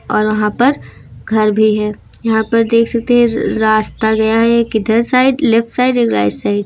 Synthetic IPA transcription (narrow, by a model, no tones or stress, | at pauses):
ɔːɾʋɐɦãpɐɾ | ɡʱɐɾbʱiɦɛː | jɐɦãpɐɾd̪eːkʰsɐk̚t̪eɦɛ̃ɾaːst̪aɡɐjaɦɛkid̪ʱɐsaːɪɖlɪfʈsaːɪɖeːkɾa̰ːɪd͡ʒsaːɪɖ